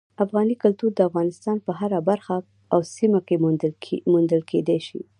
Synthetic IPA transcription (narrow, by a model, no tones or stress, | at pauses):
afɣɑnikʊlt̪uɾd̪əafɣɑnɪst̪ɑnpəɦaɾabaɾxa | awsimake | mund̪əlkʰed̪eʃḭ